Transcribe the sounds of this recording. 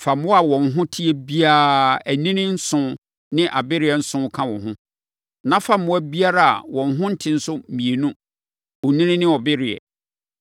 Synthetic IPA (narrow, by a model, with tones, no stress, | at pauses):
fa˨mʊ̃˦a˨wɔ̃˨n̩˨ɦʊ̃˦tʰi˦ɛ˦bi˦aː˦˨æ˨nĩ˦nɪ̃˦n̩˦sʊ̃˦ | nɪ̃˦ʔa˨bɪ˦ɾɪ˨ɛ˨n̩˦sʊ̃˦kʰã˦wɔ̃˨ɦʊ̃˦ | nã˦fa˨mʊ̃˦æ˦bi˦a˦ɾa˦˨a̰˨wɔ̃˨n˦ɦʊ̃˦n̩˦tʰɪ̃˦n̩˦sʊ˦mĩ˨e˨nũ˦ | ɔ˨nĩ˦nɪ̃˦nɪ̃˦ɔ˨bɪ˦ɾɪ˨ɛ̰˨